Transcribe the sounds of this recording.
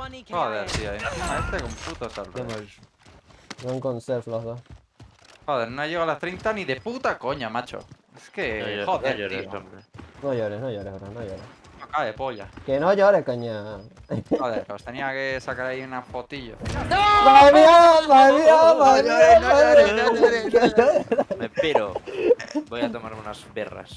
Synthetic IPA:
xoðeɾt̪ioimatimaest̪ekomput̪osal | saŋkonseɾfloɦðoh | xoðeɾnoʝeɣoalast̪ɾejnt̪aniðeput̪akoɲamat͡ʃo̰ | eskeoðeɾe | noʝoɾenoʝoɾehoɾanojoɾe | nokaβepoʎa̰kenoʝoɾekoɲa | oðeɾkost̪eniakesakaɾaiunafot̪iʎoomaemiabaemiamaemiaam | eooɾaeo | bojat̪omaɾunazbera̰s

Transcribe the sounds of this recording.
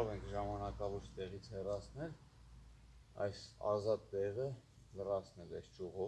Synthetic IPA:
ɔʁɛŋkʰʒɑmɑnɑkɑvɔɾt͡ʃʰt̪ɛʁit͡sʰhɛrɑt͡sʰnɛl | ɑ̰jsɑ̰zɑt̪ːɛʁə | lərɑt͡sʰnɛlɑjst͡ʃuʁɔ

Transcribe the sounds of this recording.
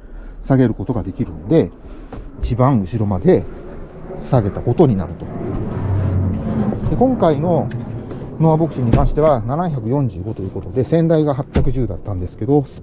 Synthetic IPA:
saɡe̞ɾɯ̟ko̞t̪o̞ɡad̪e̞kʲiɾɯ̟nod̪e̞ | it͡ɕibãɰ̃ɯ̟ɕiɾo̞mad̪e̞ | saɡe̞t̪ako̞t̪o̞ɲ̟ina̰ɾɯ̟t̪o̞̥ | d̪e̞kõ̞ŋkaino̞ | no̞abo̞kɯ̟ɕiɲ̟ːikãɕi̥t̪e̞βananaçakɯ̟jõ̞ɲd͡ʑɨːɡo̞t̪o̞jɯ̟ːko̞t̪od̪e̞sẽ̞nd̪aiɡaɦapʲjakɯ̟ʑɨːd̪at̪ːãnd̪e̞sɨ̥ke̞d̪o̞

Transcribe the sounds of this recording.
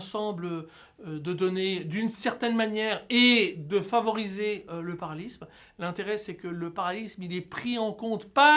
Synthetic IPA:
sɑ̃blə | ød̪əd̪ɔned̪ynsɛʁt̪ɛnmanjɛʁed̪əfavɔʁizeøləpaʁalism | lɛ̃t̪eʁɛsɛkələpaʁalismilɛpχiɑ̃kɔ̃t̪pa

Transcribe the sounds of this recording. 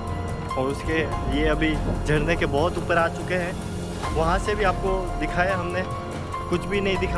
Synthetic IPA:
ɔːɾʊskeljeɐbʱid͡ʒʱɐɽnekebɔɦʊt̪uːpəɾaːt͡ʃʊkeɦɛ̃ː | ʋɐɦãsebʱiaːp̚kod̪ɪkʰaːeeɦɐmne | kʊt͡ʃʰbʱinɐɦĩd̪ɪkʰa

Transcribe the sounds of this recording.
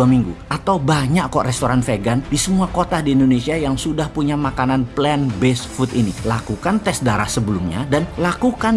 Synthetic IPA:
amiŋɡṵʔat̪awbaɲakkorɛst̪oɾanfeɡandisəmuakot̪adiːndonesiajaŋsudahpuɲamakananplɛnbɛsfut̪inḭlakukant̪ɛsdaɾa̰hsəbəlumɲa̰danlakukan

